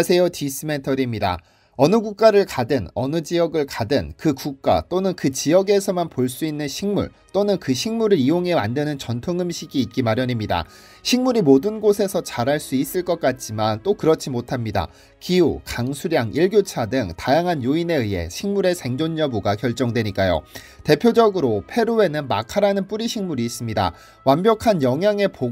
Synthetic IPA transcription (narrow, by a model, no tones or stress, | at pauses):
sʰe̞jotʰis͈ʰɯme̞ntʰʌɾimɲida̰ | ʌnɯɡuk̚k͈aɾɯɭkadɯnʌnɯd͡ʑiʌɡɯɭkadɯnkɯkuk̚k͈a̰t͈onɯnkɯt͡ɕiʌɡe̞sʰʌmanpoɭs͈uinːɯnɕʰiŋmṵɭ | t͈onɯnkɯɕʰiŋmuɾɯɾioŋɦe̞mandɯnɯnt͡ɕʌntʰoŋɯmɕʰiɡiːt̚k͈imaɾjʌɲimɲida̰ | ɕʰiŋmuɾimodɯnɡosʰe̞sʰʌt͡ɕaɾɦaɭs͈uis͈ɯɭk͈ʌk͈at̚t͡ɕ͈imant͈okɯɾʌt͡ɕʰimotʰamɲida̰ | kiṵkaŋsʰuɾjaŋʔiɭɡjot͡ɕʰadɯŋtajaŋɦanjoine̞ɯje̞̰ɕʰiŋmuɾe̞sʰe̞ŋd͡ʑoɲːʌbuɡakjʌɭt͡ɕ͈ʌŋdwe̞ɲik͈ajo̰ | te̞pʰjod͡ʑʌɡɯɾopʰe̞ɾoe̞nɯnmakʰaɾanɯnp͈uɾiɕʰiŋmuɾiːs͈ɯmɲida̰ | wanbjʌkʰanjʌŋɦjaŋe̞po